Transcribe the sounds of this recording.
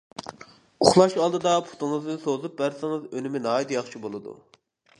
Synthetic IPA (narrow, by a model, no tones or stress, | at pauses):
uχlˠɑʃɑlˠd̪ɨd̪ɑpʰu̥t̪ɨŋɨznɨnsozup̚bæɾsɪŋɨzønɪmɪnɑːid̪jɑχt͡ʃʰibolˠɨd̪ṵ